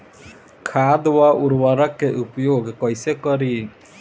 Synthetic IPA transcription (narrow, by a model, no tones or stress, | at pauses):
kʰad̪waʔuɾwaɾɔkːeʔupjoɡkɔjsekɔɾi